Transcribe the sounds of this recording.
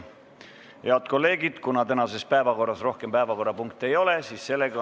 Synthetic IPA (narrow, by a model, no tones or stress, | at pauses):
heɑd̪̥ko̞lːe̞ːɡ̥id̪̥kunɑt̪ænɑse̞spæevɑko̞rːɑsro̞hke̞mpæevɑko̞rːɑpuŋk̚t̪ˑe̞jo̞le̞siːsːe̞lːe̞ɡ̥ɑ